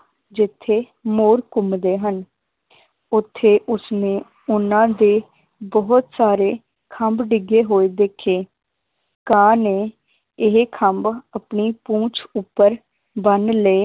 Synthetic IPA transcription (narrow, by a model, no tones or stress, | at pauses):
d͡ʒɪt̪ʰːeː | moːɾkʊmd̪eːɦən | ʊt̪ʰːeːʔʊsnẽː | ʊnãːd̪eː | bɔɦʊt̪saːɾeː | kʰəmbɖɪɡeːɦoːeːd̪eːkʰeː | kãːneː | ɪɦkʰəmbəpɳiːpũːt͡ʃʰʊpːəɾ | bənleː